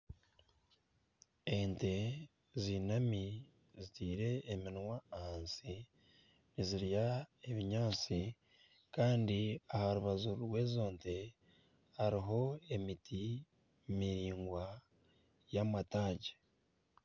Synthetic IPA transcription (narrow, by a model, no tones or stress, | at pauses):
e̞nte̞ | ziːnami | zitiːɾe̞ːminwaːhaːnsi | niziɾjae̞βiɲaːnt͡si | kaːndiahaɾuβazuɾwe̞ːzo̞ːnte̞ | haɾiɦo̞e̞mitʰi | miɾiːŋɡwa | jamataːɟe